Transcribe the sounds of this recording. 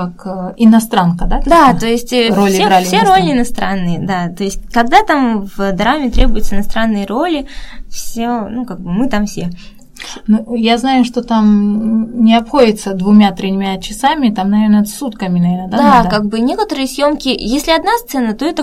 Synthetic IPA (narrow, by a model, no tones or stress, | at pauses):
akɪnɐst̪ɾankəd̪akdd̪at̪o̞jɪsʲtʲrolʲɪɾalʲfɪsʲeɾolʲɪɪnɐst̪ɾanːɨjəd̪at̪o̞ɪsʲt̚ʲkɐɡ̚d̪at̪amvd̪ɾamʲɪt̪ɾʲebʊjʊt̪səɪnɐst̪ɾanːɨjəɾolʲɪfsʲonukaɡ̚bɨmɨt̪amfsʲe | nujaznajʊʂt̪o̞t̪am | nʲɪɐpxo̞dʲɪt̪səd̪vʊmʲat̪ɾʲɪmʲat͡ɕɪsamʲɪt̪amnɐvʲe̞rnəsːut̪kəmʲɪnɐvʲernəd̪ad̪ad̪kaɡ̚bɨnʲekət̪əɾɨjəsʲjo̞mkʲɪjesʲlʲɪɐd̪nast̪sɛnət̪o̞ɛt̪ə